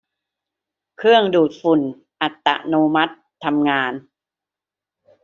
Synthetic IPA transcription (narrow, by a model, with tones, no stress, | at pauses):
kʰɾɯ˥˩əŋduː˨˩t̪̚fu˨˩n | ʔa˨˩t̪ːa̰˨˩noː˧ma˦˥t̪ʰːa˧mŋaː˧n